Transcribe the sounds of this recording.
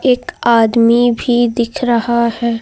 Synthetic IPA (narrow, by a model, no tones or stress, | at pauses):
eːkaːd̪mibʱid̪ɪkʰɾɐhahɛː